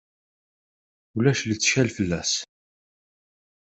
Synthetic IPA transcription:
ulæʃlit͡sːʃælfəlːæs

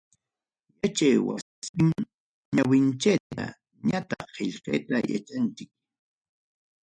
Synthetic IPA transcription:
jat͡ʃajwa | ɪŋ | ɲawɪnt͡ʃajt̪a̰ | ɲat̪ɑχːeʎqejt̪aja̰t͡ʃant͡ʃɪk̚

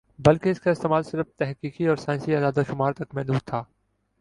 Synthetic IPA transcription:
bɐlkeɪskaɪst̪eːmaːlsɪɾəft̪ɛɦkiːkiɔːɾsaːj̃nsiaːd̪aːd̪aʃʊmaːɾt̪ɐkmɛːnũːt̪ʰaː

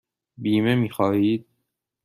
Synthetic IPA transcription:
biːme̞miːxɒːhiːd̪̥̚

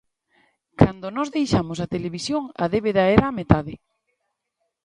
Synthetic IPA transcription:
kʰand̪onɔzðejʃamosat̪eleβ̞isjoŋa̰ðeβeðaɛɾaːmet̪aðɪ

